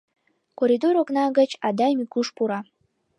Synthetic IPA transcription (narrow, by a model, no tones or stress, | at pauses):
koɾʲid̪oɾoknɑɡə̆t͡ɕɑd̪ɑjmikuʃpuɾɑ